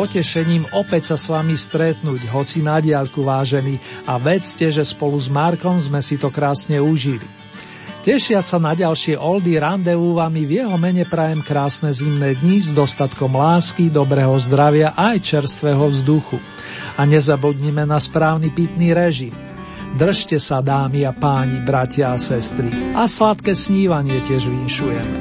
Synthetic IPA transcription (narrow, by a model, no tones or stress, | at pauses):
pɔcɛʃɛɲiːmɔpɛcsasʋamist̪ɾɛt̪nuːɟɦɔt͡sinaɟɪaʎkuʋaːʒɛniaʋɛt͡scɛʒɛspɔluzmaɾkɔmzmɛsit̪ɔkɾaːsɲɛuʒilḭ | cɛʃɪasanaɟalʃɪɛʔɔld̪iɾand̪ɛuʋamivjɛɦɔmɛɲɛpɾajɛmkɾaːsnɛzimnɛːd̪ɲizd̪ɔst̪at̪kɔmlaːskid̪ɔbɾɛɦɔzd̪ɾaʋɪaʔajt͡ʃɛɾst̪ʋɛɦɔvzd̪uxu | aɲɛzabuɟ̪ɲimɛnaspɾaːʊnipit̪niɾɛʒim | d̪r̩ʃcɛsad̪aːmiapaːɲibɾacɪaːsɛst̪ɾiʔaslat̪kɛːsɲiːʋaɲɪɛcɪɛʒʋinʃujɛ̰mɛ̰